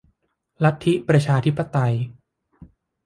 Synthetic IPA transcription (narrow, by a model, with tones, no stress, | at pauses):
la˦˥t̪ʰːi˦˥ʔpɾa˧t͡ɕʰaː˧t̪ʰi˦˥pːa˧t̪a˧j